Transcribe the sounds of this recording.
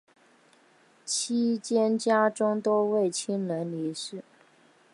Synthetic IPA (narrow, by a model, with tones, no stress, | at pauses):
t͡ɕʰi˥t͡ɕjɛ˥nt͡ɕja˥ʈ͡ʂʊ˥ŋt̪o˥ʊwe˥˩ɪt͡ɕʰi˥nlə˧˥nli˧˥ʂɻ̩˥˩